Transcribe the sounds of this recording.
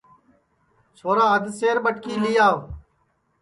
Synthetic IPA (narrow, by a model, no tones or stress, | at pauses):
soːɾãːəd̪seːɾbəʈkiːlijaː